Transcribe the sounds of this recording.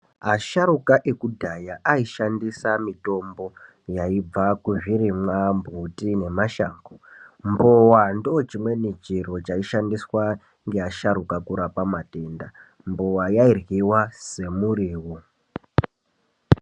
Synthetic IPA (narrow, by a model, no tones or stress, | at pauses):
aʃaɾukaʔekudʱajaʔaiʃandisamito̞mbo̞ | jaib͡vakuʐiɾimwambʱutine̞maʃa̰ːŋɡombowandot͡ʃimwe̞nit͡ʃiro̞t͡ʃaiʃandiswa | ŋɡeaʃaɾukakuɾapamate̞nda | mbowajairɣiwase̞muɾiːwo